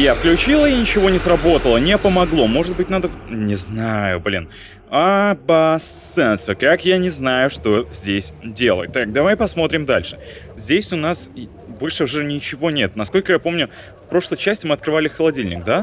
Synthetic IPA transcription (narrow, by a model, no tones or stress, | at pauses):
jafklʲʉt͡ɕilˠəinʲɪt͡ɕɪvo̞nʲɪsɾɐbo̞t̪əlˠənʲɪpəmɐɡlˠo̞mo̞ʐɨt̪̚bɨtʲnad̪ənʲɪznajʊ̰blʲḭn | ɐbɐsɛnt̪sɨkakjanʲɪznajʊʂt̪o̞zʲdʲesʲdʲe̞lˠə̰jt̪ːak̚d̪ɐvajpɐsmo̞t̪ɾʲɪmd̪a̰lʲʂɨ̥ | zʲdʲesʲʊnas | bo̞lʲʂɨʊʐɛnʲɪt͡ɕɪvo̞nʲe̞t̪nɐsko̞lʲkəjapo̞mnʲʊ | fpɾo̞ʂlˠəjt͡ɕæsʲtʲɪmɨɐt̪̚kɾɨvalʲɪxəlˠɐdʲilʲnʲɪk̚d̪a